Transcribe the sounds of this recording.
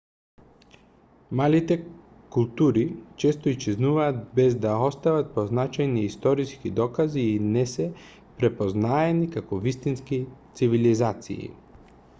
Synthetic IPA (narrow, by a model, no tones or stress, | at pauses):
malit̪ɛ | kulˠt̪uɾit͡ʃɛst̪ɔist͡ʃɛznuvaːt̪bɛzd̪aɔst̪avat̪̚poznat͡ʃajniːst̪ɔɾiskid̪ɔkaziːnɛsɛ | pɾɛpoznaɛnikakɔvist̪inskit̪sivilizat̪sḭḭ